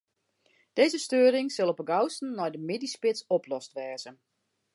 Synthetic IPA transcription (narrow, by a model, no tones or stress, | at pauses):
d̥eːzəstøəɾɪŋsɪlˠɔpəɡawstn̩nɔjdəmɪdispɪtsɔpʰlɔstʋɛːz̥ən